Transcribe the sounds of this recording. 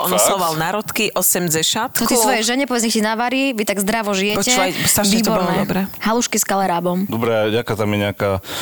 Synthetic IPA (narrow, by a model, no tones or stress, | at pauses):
ʔɔ̰nɔsɔʋalnaɾɔt̪kiʔɔsɛmd͡zɛʃat̪t̪ɔk̪isʋɔjɛʒɛɲɛpɔʋɛd͡zɲɛxcinaʋaɾiʋit̪aɡzd̪ɾaʋɔʒijɛcɛjst̪aʋiːɔɾnɛɔbɾɛhaluʃkiskalɛɾaːbɔmd̪ɔbɾɛɟakaːt̪amjɛɲɛaka